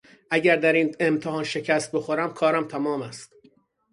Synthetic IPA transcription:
ʔæɟæɾd̪æɾiːnemt̪ʰeɦɒːnʃe̞cʰæst̪̚be̞xoɾæmkʰɒːɾæmt̪ʰæmɒːmæst̪

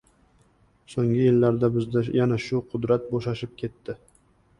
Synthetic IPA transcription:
soŋɡʲɪjɪlːaɾd̪abɪzd̪ajanaʃʊqʰʊd̪ɾat̪̚boʃaʃɪp̚kʲʰe̞t̪ːɪ

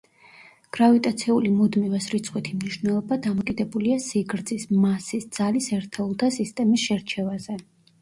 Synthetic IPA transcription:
ɡ̥ɾavit̪ʼat̪sʰiulimud̪mivɛsɾit̪sʰʼχʼwit̪ʰimniʃvnɛlˠɔbad̪amɔkʼid̪ɛbuliasiɡɾd̪zismasisd̪z̥alisɛɾt̪ʰɛulˠt̪ʰasist̪ʼɛmisʃɛɾt͡ʃʰɛvazɛ

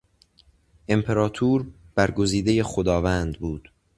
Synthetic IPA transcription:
ʔe̞mpʰe̞ɾɒːt̪ʰuːɾbæɾɡo̞ziːd̪eje̞xo̞d̪ɒːvæːnd̪buːd̪̥

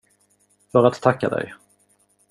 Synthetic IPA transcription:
fœɾat̪ʰːakːa̰d̪ɛ̰j

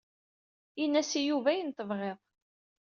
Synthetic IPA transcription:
inːæsijuvæjənt̪əvʁeðˤ

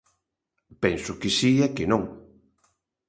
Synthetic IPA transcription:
pɛnsʊkɪsiakɪnõŋ

